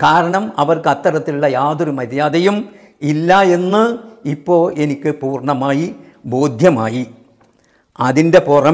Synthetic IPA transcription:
kaːɾɐɳɐmɐʋɐrkɐt̪ːɐɾɐt̪ːiɭːɐjaːðoɾumɐɾjaːðɐjum | ilːɐe̞nːɨipːo̞ːɾe̞nikʲːɨpuːrɳɐmaːji | bo̞ːd̪ʱjɐmaːji | ɐðinde̞purɐ

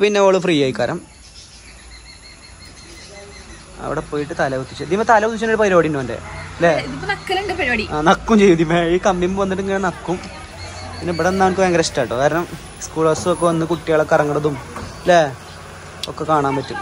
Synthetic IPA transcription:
pinːeoːɭufriːaːjikːaːɾɐm | ɐ̰ʋḭɽepoːjiʈːɨt̪aːlɐut̪ːi̥t͡ɕːuðijmːɐt̪aːlɐʋut̪ːit͡ɕːɐnːiɽɨpɐɾo̞ːɽinːoːɐndḛleiðipːonɐkːɐluɳɖepɐɾoːɽiaːnɐkːumt͡ɕejud̪imeiːkɐmːimʋɐnːiʈːiŋːɡilenɐkːum | pinːepːɐɽenːaːkʋeŋɡɐɾɐstːaːjʈːokaːɾɐɳɐm | skuːɭɐsɨokːeʋɐnːɨkuʈːijaːɭːɐkɐrɐŋːɐɭɐðum | le | okːe̞kaːɳaːmpɐtːum

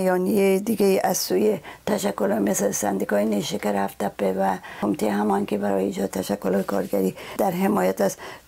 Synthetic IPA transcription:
jɒnijejed̪iɡeiʔazsujet̪aʃækːolɔmeslsa̰nd̪ikɒːjeneʃekaɾhaft̪apːevæomit̪ʰejhamɒnkebæɾɒ̰jeid͡ʒɒd̪t̪ʰaʃakːolɒjkʰɒ̰ɾɡæɾid̪æɾɦemɒjat̪æs

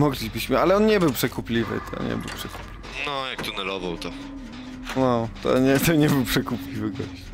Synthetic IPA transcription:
mɔɡlʲibɘɕmɘalɛɔnɲɛbɘwpʂɛkupʲlʲivɘ̰t̪ʰɔ̰ɲɛ̰bɘ̰wpʂɛku̥pʲlʲivnɔjak̚t̪unɛlɔvawt̪ɔ | nɔt̪ɔ̰ɲɛt̪ɔɲɛbɘwpʂɛkuplʲivɘɡɔ̰ɕt͡ɕ

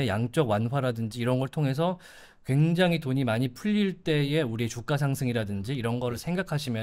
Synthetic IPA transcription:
ejaŋt͡ɕ͈ʌɡwanɸwaɾadɯnd͡ʑiːɾʌnɡʌɭtʰoŋɦe̞s̬ʰʌ | kwe̞ŋd͡ʑaŋɦitoɲimaɲipʰuʎːiɭt͈e̞e̞uɾiet͡ɕuk͈as̬ʰaŋsʰɯŋiɾadɯnd͡ʑiːɾʌnɡʌɾɯɭsʰeŋɡakʰaɕʰimjʌ

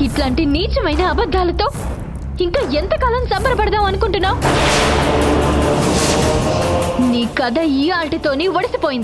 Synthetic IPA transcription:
iʈlaːɳʈiniːt͡ʃɐmɐjnɐːbɐd̪ʱːaːlɐt̪o̞ː | iŋkaːent̪ɐkaːlɐmsɐmbɐɾɐpɐɽɐd̪aːmɐnukuɳʈunːaːw | niːkɐd̪ɐiːaːlʈit̪o̞ːniːʋɐɽɐsipoːjind̪i

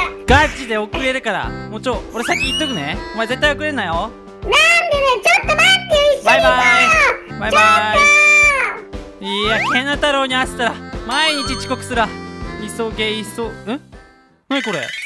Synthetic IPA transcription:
ɡ̥at͡ɕid̪e̞o̞kɯ̟ɾe̞ɾɯ̟kaɾa̰moːt͡ɕooɾe̞sakʲːĩit̪ːokɯ̟ne̞omaeze̞t̪ːaijo̞kɯ̟ɾenːajo | nand̪enet͡ɕot̪ːomant̪eibajbaibajbajba | iakʰẽnat̪aɾo̞ːɲ̟iaɕi̥t̪aɾamaiɲ̟it͡ɕit͡ɕi̥ko̞kɯ̟̥sɨɾɯβaisoɡeisoɯ̃ | nɯ̃ko̞ɾe̞̰

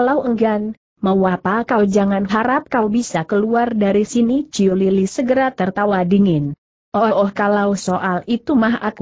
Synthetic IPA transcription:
alawəŋɡan | mawapakawd͡ʒaŋanɦaɾap̚kawbisakəluardaɾisinid͡ʒiolilisəɡəɾat̪ərt̪awadiŋɪn | ʔɔʔɔhkalawsoʔalit̪umaɦa̰k

